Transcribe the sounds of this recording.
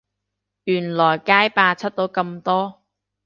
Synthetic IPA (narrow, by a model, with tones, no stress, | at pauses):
jyː˨˩nlɔː˨˩jkaː˥jpaː˧t͡sʰɐ˥t̚t̪o˨˥wkɐ˧mt̪ɔː˥